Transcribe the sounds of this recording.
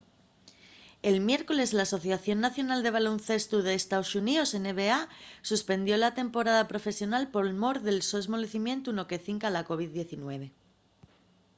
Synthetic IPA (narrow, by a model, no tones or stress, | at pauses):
e̞lmje̞ɾko̞lezlaːso̞θjaθjo̞nːaθjo̞nald̪e̞β̞alonθe̞st̪uð̞eːst̪aosuniose̞ne̞βeasuspe̞nd̪jo̞lat̪e̞mpo̞ɾaðapɾo̞fe̞sjonalpo̞lmo̞ɾðe̞lsoezmo̞le̞θimjẽ̞nt̪uno̞ke̞θiŋkalako̞β̞iððːje̞θinwe̞β̞e̞